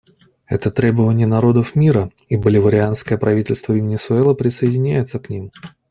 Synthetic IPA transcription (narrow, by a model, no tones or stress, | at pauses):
ɛ̰t̪ət̪ɾʲe̞bəvənʲɪjənɐɾo̞d̪əfmʲiɾə | ibəlʲɪvəɾʲɪanskəjəpɾʔɐvʲitʲɪlʲst̪vəvʲɪnʲɪsʊɛlˠəpɾʲɪsəɪdʲɪnʲæjɪt̪səknʲim